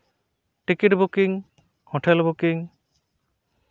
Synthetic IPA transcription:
ʈikiʈbukiŋ | hɔʈʰɛlbukiŋ

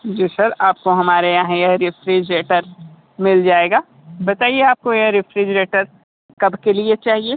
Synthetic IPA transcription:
d͡ʒiːsɐɾaːp̚koɦɐmaːɾejaɦɛ̃jɐɦɾɪfʰɾid͡ʒɾeːʈəɾ | mɪld͡ʒaːeːɡaː | bɐt̪aːieaːp̚kojɐɦɾɪfɾid͡ʒɾeːʈəɾ | kɐbʱkeliet͡ʃaːɦieː

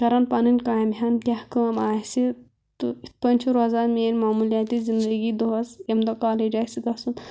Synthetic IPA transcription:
kɐɾɐnpaninʲkajmɦʲant̪ʲahkəːmaːjsi | t̪uipɐnʲt͡ʃʰuɾoɐzaɾmeːnʲmaːmuljat̪izind̪əɡiːd̪oɦɐsemd̪okaːled͡ʒasiɡɐsun

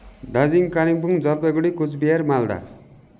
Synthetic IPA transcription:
ɖad͡ziŋkaniŋbuŋd͡zʌlpeɡuɽikut͡sbiaɾmald̪a̰

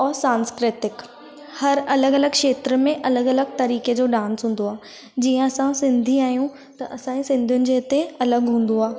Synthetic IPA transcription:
ɔːɾsaːnskɾɪt̪ɪk | hɐɾɐləɡɐləɡkʃeːt̪ɾəmẽʔɐləɡɐləɡ̚t̪ɐɾiːked͡ʑoːɖãːnsɦũːn̆d̪oaː | d͡ʑiːə̃ɐsãsɪ̃nd̪ʱiaːɦijũ | t̪ɐʔɐsãːisɪ̃nd̪ʱijʊnɪ̆d͡ʑeːɪt̪eɐləɡɦũːn̆d̪oaː

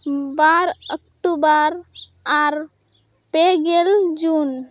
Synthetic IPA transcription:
baɾək̚ʈubəɾ | aɾ | peɡeld͡ʒun

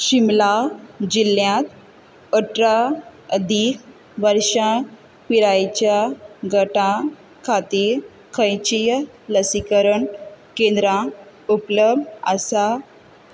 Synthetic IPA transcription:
ɕimlad͡ʑiljãt̪ | əʈɾaəd̪i | ʋəɾɕa | piɾajt͡ɕjaɡʱəʈã | kʰat̪i | kʰə̃jt͡ɕij | ləsikəɾəɳkẽnd̪ɾã | upləbəsa

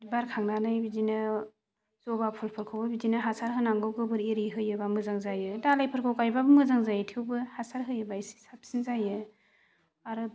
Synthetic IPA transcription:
dibaɾkʰaŋnanajbidinɯ | zɔbapʰulpʰɯɾkʰowbabidinɯɦasaɾɦɯnaŋɡɯwɡɯbɯɾiɾiɦɯjɯbamɯzaŋzajɯdalajpʰɯɾkʰɯwkajbabɯmɯzaŋzajɯtʰiwbɯhasaɾɦɯjɯbaisi̥sap̚sinzajɯ | aɾɯ

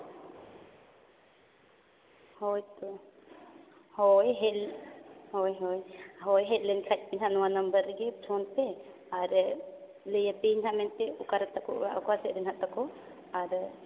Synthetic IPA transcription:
hɔjt̪ɔ | hɔjɦɛ | hɔjɦɔjɦɔjɦɛt̪̚lɛnkʰac̚piɲɦaʔnɔwanəmbəɾɛɡɛd͡ʒʰɔnpɛ | aɾ | ləjapiɲɦamɛnpɛukaɾat̪akɔʔaʔukasɛʔɾɛnɦaʔt̪akɔ | aɾ

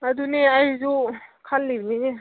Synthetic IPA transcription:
aduneajzukʰalːibnini

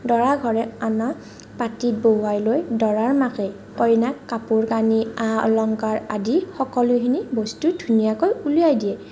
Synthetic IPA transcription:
dɔɹaɡʱɔɹɛanɔ | patit̚boajlojdɔɹaɹmakɛ | kɔjnakːapuɹkaniaɔ̰lɔŋkaɹadixɔkɔlʊkʰinibɔstudʱunijakojulujajdijɛ

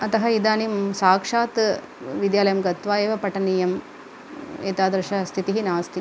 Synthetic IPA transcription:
ɐt̪ɐɦɐid̪aːnimsaːkʂaːt̪ | ʋid̪jaːlɐjɐmɡɐt̪ʋaːeːʋɐpɐʈɐniːjɐm | ḛːt̪aːd̪ɐɾʃɐst̪ʰit̪iɦinaːst̪ʰi

